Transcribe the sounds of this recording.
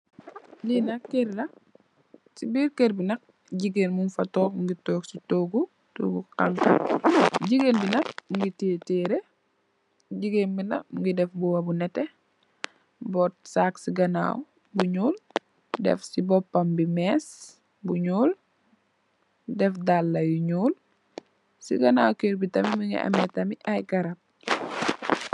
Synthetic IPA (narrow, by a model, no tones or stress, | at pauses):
linɐkeɾlɐ | sibiːɾkeɾbinɐk̚ | ɟiɡeːnmunfɐtɔːŋɡitɔːɡsitoːɡu | to̰ɡuqaŋk | ɟiɡeːnbinɐk̚ŋɡiteːtɛɾe | ɟiɡeːnbinɐ̰ŋɡidɛfbuwɐbunɛtːɛ | bɔt̚saːksiɡɐna̰ːw | buɲuːl | dɛ̰fsibɔpːɐmbimɛːs | buɲuːl | dɛfdalːɐjuɲuːl | siɡɐnaːwkeːɾbitɐmimiŋɡḭʔɐ̰metɐmiʔajɡɐɾɐp̚